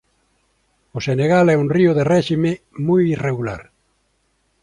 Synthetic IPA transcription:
oseneɣalɛunrioðerɛʃime | mujireɣula̰ɾ

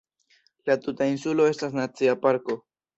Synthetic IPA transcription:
lat̪utainsulo̞e̞stas̬nat͡siapaɾko̞

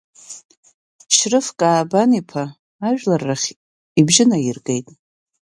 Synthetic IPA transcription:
ʃrɨfkʼaːbanipʰaː | ʒᶣlarːaχʲ | ibʒɪnajirɡejtʼ

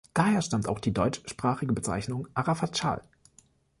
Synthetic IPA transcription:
d̥aːheːɐʃtamta̰ʊxd̥iːdɔʏt͡ʃʃpʁ̥aːχɪɡəbət͡sa̰ɪçnʊŋʔaʁafat͡ʃa̰ːl

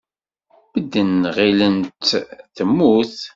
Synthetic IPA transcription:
b̥əd̪ːənʁilənt̪θəmːuθ

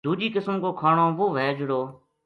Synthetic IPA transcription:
d̪uːd͡ʒiːkɪsəmkoːkʰaːɳoːʋoːʋeːd͡ʒɽoː

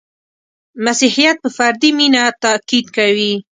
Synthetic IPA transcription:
masihijat̪̚pəfaɾd̪iminat̪akid̪kawi

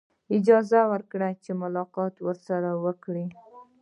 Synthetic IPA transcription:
ɪd͡ʒɑzawəɾkɽat͡ʃemʊlɑqɑt̪wəɾsaɾawəkɽi

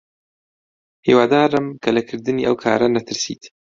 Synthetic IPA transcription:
hḭːwaːd̪aːɾɨmkʰɐlɐkʰɨɾd̪ɨniːʔɐ̰wkʰa̰ːɾɐnɐt̪ʰɨɾsḭːt̪

